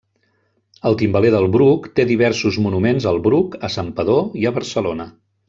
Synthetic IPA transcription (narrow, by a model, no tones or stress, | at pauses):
əlˠt̪imbəleðəlˠβɾukt̪eðiβ̞ɛɾsuzmunumenzəlˠβɾukəsampəðoiəβəɾsəlonə